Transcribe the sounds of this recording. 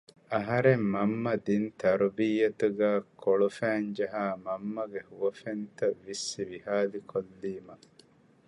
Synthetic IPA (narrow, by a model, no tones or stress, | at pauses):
ɐɦɐɾemːɐmːɐd̪int̪ɐɾubiːɐt̪uɡæːkʰoɭufæːɲd͡ʒɐɦaːmɐmːɐɡehuʋɐfent̪ɐʋːisːiʋihaːlikʰolːiːmɐ